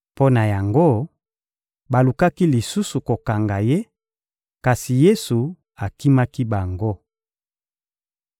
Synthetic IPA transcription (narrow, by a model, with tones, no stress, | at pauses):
po˦na˨ja˨ŋɡo˦˨ | ba˨lu˨ka˦ki˦li˨su˦su˨ko˨ka˨ŋɡa˨je˦ | ka˨si˨je˦su˨ | a˨ki˦ma˦ki˦ba˨ŋɡo˦